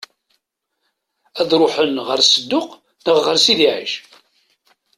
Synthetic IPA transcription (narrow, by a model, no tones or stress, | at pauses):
æðɾˤʊħənʁəɾsəd̪ːʊq | nəʁːəɾsiðiʕə̰ʃ